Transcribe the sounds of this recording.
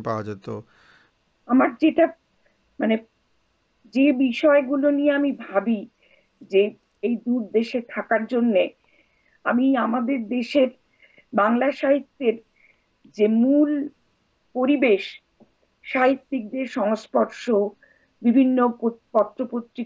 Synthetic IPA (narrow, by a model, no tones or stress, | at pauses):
paad͡ʑat̪o̰ | amaɾd͡ʑeʈa | mane | d͡ʑebiʃɔeɡulonijeamibʱabi | d͡ʑe | ejd̪uɾd̪eʃet̪ʰakaɾd͡ʑonːe | a̰miamad̪eɾd̪eʃeɾ | baŋlaʃaɦit̪ːeɾ | d͡ʑemul | poɾibeʃ | ʃaɦit̪ːik̚d̪eɾʃɔŋospɔɾʃo | bibʱinːoopɔt̪ːɾopot̪ːɾi